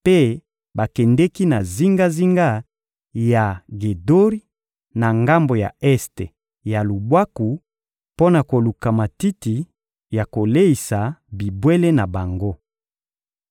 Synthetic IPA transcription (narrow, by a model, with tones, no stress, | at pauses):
pe˦ | ba˨kɛ˨ndɛ˦ki˦na˨zi˦ŋɡa˦zi˦ŋɡa˦ | ja˨ɡe˨do˦ʁi˦ | na˨ŋɡa˦mbo˨ja̰˨ɛ˦ste˨ | ja˨lu˨bwa˦ku˨ | po˦na˨ko˨lu˨ka˨ma˨ti˦ti˨ | ja˨ko˨le˦i˨sa˨bi˨bwe˦le˦na˨ba˨ŋɡo˦